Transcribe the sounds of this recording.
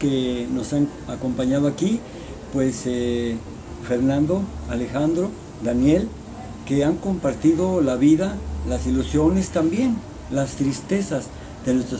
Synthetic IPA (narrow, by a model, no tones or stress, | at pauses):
keno̞saŋ | ako̞mpaɲað̞oaki | pwe̞se | fe̞ɾnãnd̪o̞ale̞xand̪ɾo̞ | d̪anje̞l | ke̞aŋko̞mpaɾt̪iðo̞laβiðalasilusjo̞ne̞st̪ambje̞n | last̪ɾist̪e̞saz | ð̥e̞nwest̪ɾo